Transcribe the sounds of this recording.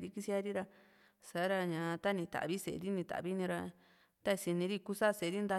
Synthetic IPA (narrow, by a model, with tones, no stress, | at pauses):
ɾi˦ki˧si˦a˧ɾi˦ɾa˧ | sa˨˦ɾa˧ɲã˨˧t̪a˦nĩ˧t̪a̰˨βi˦sḛ˨˧ɾi˦nĩ˧t̪a̰˨βi˦nĩ˧ɾa˧ | t̪a˦i˧si˧nĩ˧ɾi˦˧ku˦sa˦˧se˨˧ɾi˦nd̪a˧